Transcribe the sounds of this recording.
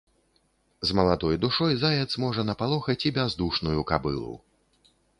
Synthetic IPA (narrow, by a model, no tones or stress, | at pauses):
zmɐlˠad̪ɔjd̪uʂɔjzajɛt̪smɔʐɐnɐpalˠɔxɐt͡sʲibʲazd̪uʂnujukabɨ̰lˠṵ